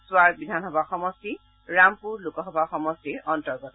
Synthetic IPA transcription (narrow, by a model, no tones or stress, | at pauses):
sʊwaɹbidʱanɦɔbaxɔmɔsti | ɹampuɹlukɔɦɔbʱaxɔmɔstiɹɔntɔɹɡɔtɔ